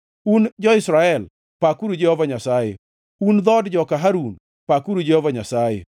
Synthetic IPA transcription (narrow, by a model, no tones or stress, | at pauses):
und͡ʒɔɪsɾaɛl | pakuɾud͡ʒehovaɲasajḛ | und̪ɔdd͡ʒɔkaɦaɾun | pakuɾud͡ʒehovaɲasajḛ